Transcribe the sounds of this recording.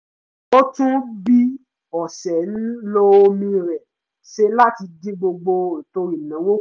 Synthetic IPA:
o˦tũ˦bi˦ | ɔ˨sɛ˨n̩˦lo˦o˧mĩ˧ɾɛ˨ | ʃe˧la˦ti˧di˦ɡ͡bo˧ɡ͡bo˧ĩ˨to˧ɾi˦˨nã˨˦wo˦

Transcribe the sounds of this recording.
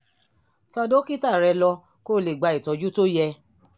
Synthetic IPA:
sɔ˧do˦ki˦ta˦˨ɾɛ˨˧lɔ˧ | ko˦˨le˨ɡ͡ba˧i˨tɔ˨˦d͡ʒu˦to˦jɛ˧

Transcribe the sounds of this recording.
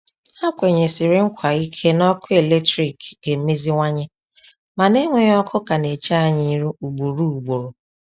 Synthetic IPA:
a˦kʷe˨ɲe˨sɪ˨ɾɪ˨ŋ̩˦kʷa˨i˦kʰe˦nɔ˦kʊ˦e˨le˦tɾi˨kɡe˨m̩˦me˦zi˦ŋʷa˦ɲe˦ | ma˨ne˦ŋʷe˨ɲ˦ɔ˦kʰʊ˦ka˨ne˨t͡ʃa˦a˦˨ɲi˦ɾu˦u˨ɡ͡bo˨ɾu˦u˨ɡ͡bo˨ɾo˨

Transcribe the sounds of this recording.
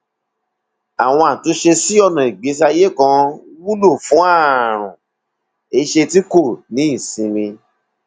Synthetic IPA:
a˨w̃ɔ̃˧a˨to˨˦ʃe˧si˦ɔ˧nã˨i˨ɡ͡be˨˦s̬a˧je˦˨kã˧wu˦lo˦˨fũ˨˦a˦˨ɾ̃ṵ̃˨ | e˧˦ʃe˧ti˦ko˦˨nĩ˨˦i˦˨sĩ˧ɾĩ˧

